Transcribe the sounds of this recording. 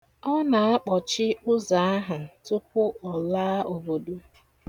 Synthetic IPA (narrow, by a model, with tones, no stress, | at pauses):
ɔ˦na˨a˦k͡pɔ˨t͡ʃɪ˦ʊ˦za˨a˦ɦa˨tʊ˦k̚ʊ˦ɔ˨laː˦o˨bo˨du˦